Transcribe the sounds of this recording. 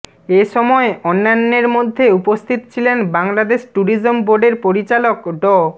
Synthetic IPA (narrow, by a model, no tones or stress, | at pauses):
eʃɔmɔeɔnːanːeɾmod̪ʱːeupost̪ʰit̪ot͡ɕʰilenbaŋlad̪eʃʈuɾizomboɾɖeɾpoɾit͡ɕalokɖɔ